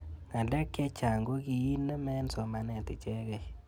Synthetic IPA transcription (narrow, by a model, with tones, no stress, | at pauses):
ŋa˨lɛ˦kːɛ˦t͡ʃa˨ŋɡo˦ki˨i˦nːɛ˦mɛ˦nso˨ma˨nɛ˨tɪ˨t͡ʃɛ˦kɛ˨